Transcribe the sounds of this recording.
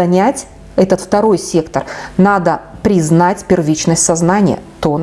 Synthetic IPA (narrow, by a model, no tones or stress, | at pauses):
ɐnʲætʲ | ɛt̪ət̪ft̪ɐɾo̞jsʲe̞kt̪ərnad̪əpɾʲɪznatʲpʲɪrvʲit͡ɕnəsʲtʲsɐznanʲɪjə̰t̪on